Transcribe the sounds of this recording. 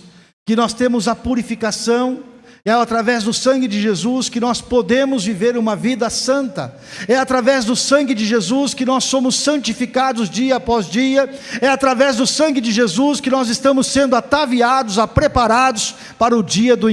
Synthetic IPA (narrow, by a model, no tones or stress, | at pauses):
kɪnɔst̪ẽmʊzɐpuɾifikasɐ̃w̃ | ɛat̪ɾavɛzd̪ʊsɐ̃ŋɡɪd͡ʒɪʒezuskɪnɔspod̪ẽmʊzviveɾũmɐvid̪ɐsɐ̃nt̪ɐ̰ | ɛat̪ɾavɛzd̪ʊsɐ̃ŋɡɪd͡ʒɪʒezuskɪnɔsːõmʊsːɐ̃nt͡ʃifikad̪ʊzd͡ʒiɐːpɔzd͡ʒiɐɛat̪ɾavɛzd̪ʊsɐ̃ŋɡɪd͡ʒɪʒezuskɪnɔzɪst̪ɐ̃mʊsːẽnd̪ʊat̪aviad̪ʊzapɾepaɾad̪ʊs | paɾɐʊd͡ʒiɐd̪ʊ